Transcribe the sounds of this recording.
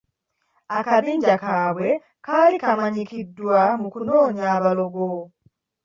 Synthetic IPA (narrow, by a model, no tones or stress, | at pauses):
akaβiːɲɟakaːβwe̞ | kaːlikamaɲikidːwamukunoːɲaːβalo̞ɡo